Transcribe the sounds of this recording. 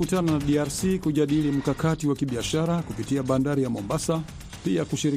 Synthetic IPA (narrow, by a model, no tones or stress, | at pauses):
utananaɗiaɾsikuʄaɗilim̩kakatiwakiɓiaʃaɾakupitiaɓandaɾijamɔmbasa | piakuʃiɾi